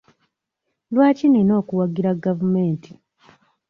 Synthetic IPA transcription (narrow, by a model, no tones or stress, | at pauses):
lwaːcinino̞ːkuwaɡiɾaɡavume̞ːnti